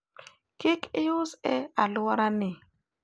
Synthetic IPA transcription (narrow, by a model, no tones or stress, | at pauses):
kɪkɪʊsɛalʊaɾanɪ